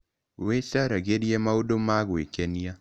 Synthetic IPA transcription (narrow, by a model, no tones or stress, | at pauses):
wesaɾaɣeɾiɛmaodomaɣwekɛnia